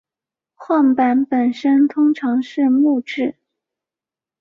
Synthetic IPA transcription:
xwɑ˥˩ŋpa˧˥npə˨˩nʂə˥nt̪ʰʊ˥ŋʈ͡ʂʰɑ˧˥ŋʂɻ̩˥˧mu˥˧ʈ͡ʂɻ̩˥˩

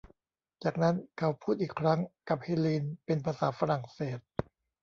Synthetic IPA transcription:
t͡ɕaː˨˩k̚na˦˥nkʰa˦˥wpʰuː˥˩t̪̚ʔiː˨˩kʰɾa˦˥ŋka˨˩p̚heː˧liː˧npe˧npʰaː˧saː˩˦fa˧ɾa˨˩ŋseː˨˩t̪̚

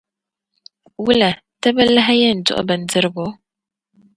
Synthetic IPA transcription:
wu˦la˨ | ta˦ba˦la˦ɦa˦je˦n̩˨do̰˦˨ʔɔ̰˦ba˨n̩˨d͡zə˦ɾɡo˨˦

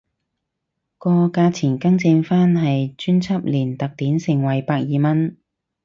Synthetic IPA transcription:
kɔː˧kaː˧t͡sʰiː˨˩nkɐ˥ŋt͡sɪ˧ŋfaː˥nɦɐ˨jt͡ʃyː˥nt͡sʰɐ˥p̚liː˨˩nt̪ɐ˨k̚t̪iː˨˥nsɪ˨˩ŋwɐ˨˩jpaː˧k̚jiː˨˧mɐ˥n

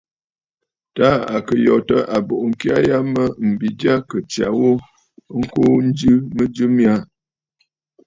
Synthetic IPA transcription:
ta˦a̰˨kə˨jɔ˨tə˦ʔa˨bo˨ʔŋ̩˨kja˦ja˦mə˦m̩˨bi˨dja˦kə˨t͡ʃja̰˨wo˦ | ŋ̩˦ko˦n̩˦d͡ʒɨ˦mə˦d͡ʒɨ˦mja˦

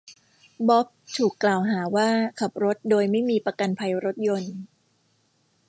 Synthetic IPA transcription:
bɔ˦˥p̚t̪ʰuː˨˩kːlaː˨˩wɦaː˩˦waː˥˩kʰa˨˩p̚ɾo˦˥t̪̚doː˧jma˥˩jmiː˧pa˧ka˧npʰa˧jɾo˦˥t̪̚jo˧n

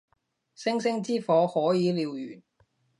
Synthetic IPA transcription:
sɪ˥ŋsɪ˥ŋt͡siː˥fɔː˨˧hɔː˨˥jiː˨˧liː˨˧wjy̰ː˨˩n

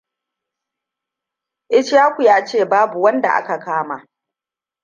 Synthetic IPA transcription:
ʔɪ˦t͡ʃjaː˦kʷu˨jaː˦t͡ʃeː˦˨baː˦bu˨wɐ˦nda̰˨ʔa̰˦ka˨kaː˦ma˨

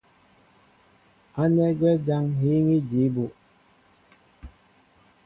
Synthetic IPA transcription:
a˦nɛ˦ɡwɛ˦d͡ʒa˦ŋɦi˦ŋi˦d͡ʒi˨˦bu˨

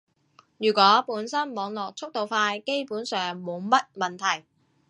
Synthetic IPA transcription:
jyː˨˩kʷɔː˨˥puː˨˥nsɐ˥nmɔː˨˧ŋlɔː˨k̚t͡sʰʊ˥k̚t̪o˨wfaː˧jke˥jpuː˨˥nsœː˨ŋmo˨˧wmɐ˥t̚mɐ˨nt̪ʰɐ˨˩j

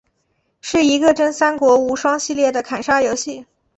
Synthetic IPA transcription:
ʂɻ̩˥˩i˧˥ɡə˧ʈ͡ʂə˥nsa˥nkwɔ˧˥u˧˥ʂwɑ˥ŋɕi˥˧ljɛ˥˩d̪ə˩kʰa˨˩nʂa˥jo˧˥ʊɕi˥˩

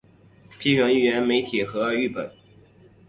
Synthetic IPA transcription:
pʰi˥ɕɥɛ˧˥ŋi˥˩ɥɛ˧˥nme˧˥ɪt̪ʰi˨˩xɤ˧˥y˥˩pə̰˨˩˦n

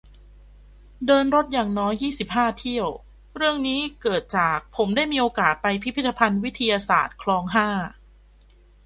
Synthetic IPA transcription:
dɤː˧nɾo˦˥t̪̚jaː˨˩ŋnɔː˦˥jːiː˥˩si˨˩p̚ɦaː˥˩t̪ʰi˥˩əw | ɾɯ˥˩əŋniː˦˥kɤː˨˩t̪̚t͡ɕaː˨˩k̚pʰo˩˦mdaː˥˩jmiː˧ʔoː˧kaː˨˩t̪̚pa˧jpʰi˦˥pʰi˦˥t̪ʰːa˧pʰa˧nwi˦˥t̪ʰːa˧jaː˧sa̰ː˨˩t̪̚kʰlɔː˧ŋɦaː˥˩

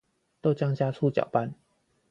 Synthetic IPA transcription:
t̪o˥˧ʊt͡ɕjɑ˥˧ŋt͡ɕja˥˧t͡sʰu˥˩t͡ɕjɑ̰˨˩ʊpa˥˨n

